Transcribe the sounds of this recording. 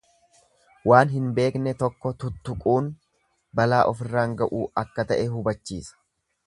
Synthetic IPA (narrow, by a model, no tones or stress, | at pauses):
waːnɦɪnbe̞ːknɛt̪ɔkːɔt̪ʊt̪ːʊkʼuːn | bɐlaːʔɔfɪrːaːŋɡɐʔuːɐkːɐt̪ɐʔɛɦʊbɐt͡ʃːiːsɐ̥